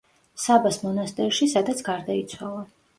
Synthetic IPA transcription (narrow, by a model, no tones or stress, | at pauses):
sabasmɔnast̪ʼɛɾʃisad̪at̪sʰɡaɾd̪ait̪sʰwalˠa